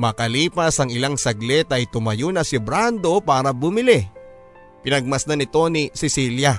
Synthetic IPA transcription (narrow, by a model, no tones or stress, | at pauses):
mɐkɐliːpɐsɐŋɪlaŋsɐɡlɛt̪ɐjt̪ʊmɐjonɐsɪbɾand̪o̞paːɾɐbʊmɪlɛ | pɪnɐɡ̚mɐsnanɪt̪o̞nisɪsiljɐ